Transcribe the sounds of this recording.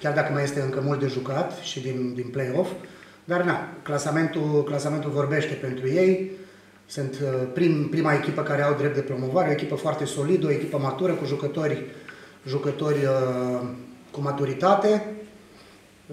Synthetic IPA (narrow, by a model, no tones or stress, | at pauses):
kʲard̪akəmaje̞st̪e̞ɨŋkəmult̪̚d̪e̞ʒukat̪ʃid̪ind̪inplejo̞f | d̪arnaklasame̞nt̪uklasame̞nt̪ulvo̞rbe̞ʃt̪e̞pe̞nt̪ɾuje̞j | sɨnt̪pɾimpɾimae̞kʲipəkaɾe̞awd̪ɾep̚t̪d̪e̞pɾo̞mo̞vaɾeo̞e̞kʲipəfoart̪e̞so̞lid̪əo̞e̞kʲipəmat̪uɾəkuʒukət̪o̞rʲ | ʒukət̪o̞rʲə | kumat̪uɾit̪at̪e̞